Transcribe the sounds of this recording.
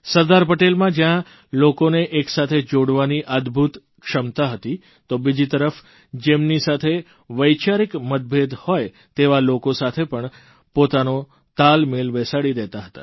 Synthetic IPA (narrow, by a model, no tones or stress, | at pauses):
səɾd̪aɾpəʈelmãd͡ʒjã | lokoneʔeksat̪ʰed͡ʒoɽʋaniʔəd̪bʱut̪ | kʃəmt̪aɦət̪i | t̪obid͡ʒit̪əɾəf | d͡ʒemnisat̪ʰe | ʋəjt͡ʃaɾikməd̪̚bʱed̪hoj | t̪eʋalokosat̪ʰepəɳ | pot̪ano | t̪almelʋɛsaɽid̪ɛt̪aɦət̪a̰